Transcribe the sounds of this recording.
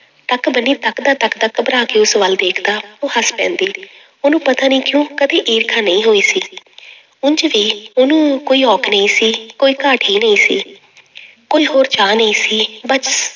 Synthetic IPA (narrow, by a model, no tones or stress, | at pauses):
t̪əkbəniːt̪əkd̪aːt̪əkt̪əkbənaːkeːʊsʋəld̪eːkʰd̪aːoːɦəspɛ̰̃ːnd̪iː | ʊnũːpət̪aːnə̃ːkjõːkəd̪eːʔiːɾkʰãːnəĩːɦoːiːsiː | ʊnt͡ʃʋiːʊnũːkoːiːɔːkʰnə̃ĩːsiːkoːiːkaːʈʰiːnəĩːsiː | koːiːɦoːɾt͡ʃaːnəĩːsiːbəs